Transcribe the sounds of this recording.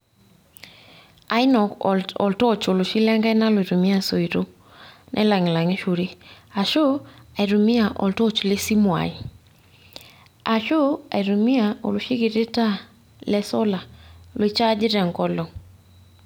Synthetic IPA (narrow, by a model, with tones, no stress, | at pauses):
a˨˦ɪ˦nɔ˨kɔ̰˨ltɔ˦˨t͡ʃo˨lo˨ʃi˦lɛ˦ŋɡa˦jna˦lo˨i˨ɾu˨mi˦a˦so˨i˨ɾo˦ | nʔɛ̰˦la˨ŋɪ˨la˨ŋe˦ʃu˨ɾi˦a˨ʃʊ˦a˨i˨ɾu˨mi˦a˨ʔɔ̰˨ltɔ˦t͡ʃlɪ˦si˦mwa̰˨ɪ˦ | a˨ʃʊ˦a̰˨i˨ɾu˨mi˦a˨o̰˨lʊ˨ʃi˦ɡi˨ɾɪ˦ta˦ | lɛ˨sɔ˦la˨lwe˨t͡ʃa˦d͡ʒɪ˦ɾɛ˨ŋɡɔ˦lɔ˨